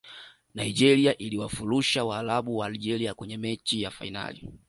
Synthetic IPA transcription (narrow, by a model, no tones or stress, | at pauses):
naid͡ʒɛɾiaʔiliwafuluʃawaːlaɓuwaːld͡ʒɛɾiakwɛɲɛmɛt͡ʃijafa̰ina̰lḭ